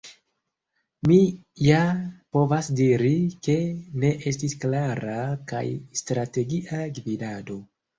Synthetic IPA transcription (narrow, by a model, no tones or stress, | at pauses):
mi | japo̞vasdiɾike̞ne̞ʔe̞stisklaɾaka̰jstɾate̞ɡiʔaɡvidado̞